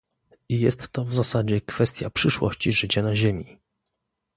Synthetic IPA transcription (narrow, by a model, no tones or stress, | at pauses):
ijɛst̪ːɔvzasad͡ʑɛkfɛst̪ʲja̰pʂɘʂwɔ̰ɕt͡ɕiʐɘt͡ɕanaʑemʲi